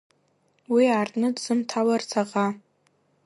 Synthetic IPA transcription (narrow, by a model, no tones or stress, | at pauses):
wiaːrtʼnɨdz̥ɨmtʰawart͡sʰaqʼa